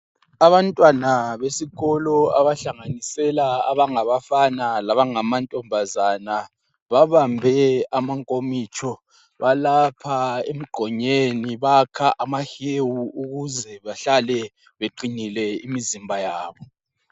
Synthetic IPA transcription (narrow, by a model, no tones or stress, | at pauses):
aβantʼwanaβesiɣɔlɔaβaɬaŋanisɛlaːβaŋaβafanalaβaŋamantʼɔmbʱazana | βaβambʱɛamaŋkʼomit͡ʃʰʼɔ | βalapʰaem̩ɡ͡ǃʱɔɲeniβakʰaʔamahewuuɣuzɛβaɬalɛ | βeǃinilɛimizimbʱajaːβɔ